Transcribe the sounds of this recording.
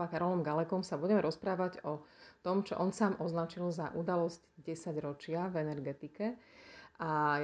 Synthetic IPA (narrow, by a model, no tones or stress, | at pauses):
akaɾɔlɔmɡalɛkɔmsabuɟɛmɛɾɔspɾaːʋaɟɔt̪ɔmt͡ʃɔ̰ʔɔnsaːmʔɔznat͡ʃilzaʔud̪alɔzcɟɛsaɟɾɔt͡ʃɪavɛnɛɾɡɛt̪ikɛʔa